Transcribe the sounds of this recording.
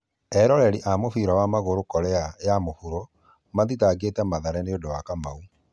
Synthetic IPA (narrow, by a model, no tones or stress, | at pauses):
ɛɾɔɾɛɾiʔamofiɾawamaɣoɾokɔɾɛajamofuɾo | maðitaɡetɛmaðaɾɛneodowakama̰u